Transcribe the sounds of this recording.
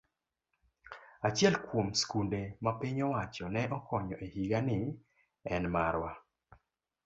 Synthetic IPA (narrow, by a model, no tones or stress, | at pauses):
at͡ʃjɛlkwomskundemapɪɲɔwat͡ʃɔnɛʔɔkɔɲɔʔehiɡanɪ | ɛnmaɾwa